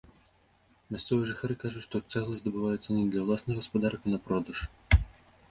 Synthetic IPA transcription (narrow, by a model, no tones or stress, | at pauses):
mʲast̪sɔvɨjɛʐɨxaɾɨkaʐut͡ɕʲʂt̪ɔt̪sɛɣlˠɐzʲd̪ɐbɨvajɛt̪sːɐnʲɛd̪lʲɐwlˠasnɨɣɣɐspad̪arkinɐpɾɔd̪ɐʂ